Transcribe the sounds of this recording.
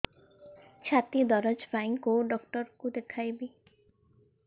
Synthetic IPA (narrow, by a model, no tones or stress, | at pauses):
t͡ʃʰat̪id̪ɔɾɔd͡ʒpaĩkoɖɔkʈɔɾkud̪ekʰajbi